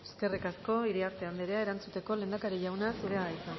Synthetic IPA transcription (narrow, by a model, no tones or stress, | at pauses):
e̞ske̞rikasko̞iɾiaɾt̪eand̪eɾeae̞ɾant͡sut̪e̞ko̞le̞ːnd̪akaɾiʝawnasuɾe̞aɣajsan